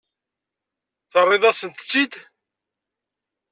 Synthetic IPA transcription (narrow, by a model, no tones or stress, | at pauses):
θərˤːeðˤɑsənt̪ə̥t͡sːid̪